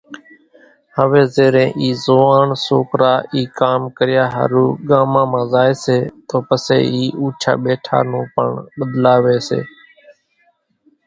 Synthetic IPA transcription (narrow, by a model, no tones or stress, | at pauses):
həʋeːzeːɾẽːʔiːzoːaːɳsoːkɾaːiːkaːmkəɾɪjaːɦə̰ɾuːɠaːmãːmãːzaːeːseːt̪oːpəsḛːiːʔuːt͡ʃʰa̰ːɓeːʈʰa̰ːnũːpəɳɓəd̪laːʋeːsḛː